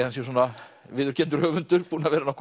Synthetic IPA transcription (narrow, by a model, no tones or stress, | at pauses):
hansjɛs̬ɔːna | vɪːðʏɾ̥cʰɛnt̪ʏɾ̥hœːvʏnt̪ʏɾ̥puːnavɛːɾɪnawkʰ